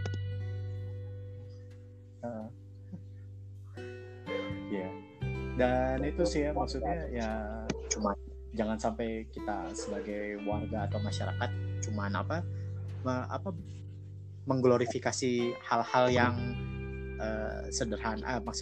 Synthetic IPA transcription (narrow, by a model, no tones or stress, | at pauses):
ə | ija | danit̪usɪhjamaksut̪̚ɲajat͡ʃuman | d͡ʒaŋansampajkit̪asəbaɡajwarɡaːt̪awmaʃaɾakat̪̚t͡ʃumana̰paməa̰pa | məŋɡloɾifikasihalhaljaŋ | ʔəsədərɦanə̰maks